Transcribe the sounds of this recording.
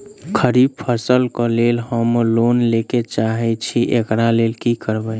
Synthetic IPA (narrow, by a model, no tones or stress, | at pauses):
kʰəɾib̚pʰəsəlkɔlelɦəmlonleket͡ʃaɦɛt͡ʃʰiʔekɾalelkikəɾbəj